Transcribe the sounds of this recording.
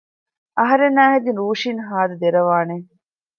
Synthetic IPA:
ɐɦɐɾenːæːɦed̪inɾuːʃinɦaːd̪ɐd̪eɾɐʋaːne

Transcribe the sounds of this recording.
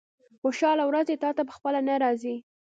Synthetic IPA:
xoʃɑlawɾazet̪ɑt̪apəxpəlanaɾɑzi

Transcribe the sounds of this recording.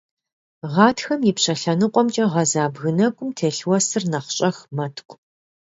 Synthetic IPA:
ʁɑːtxɐmjɪpɕɐɬɐnɨqʷʼɔmt͡ʃʼɐʁɐzaːbɣɨnɐkʷʼʊmtʰeːɬwɐsɨrnɐχʷɕʼɐxmɐtʰkʷʼ

